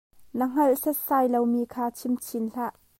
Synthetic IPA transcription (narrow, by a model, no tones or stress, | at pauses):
nəŋ̥ɐlʔsɐsaːjlowmiːkʰaːt͡sʰimt͡sʰinɬaʔ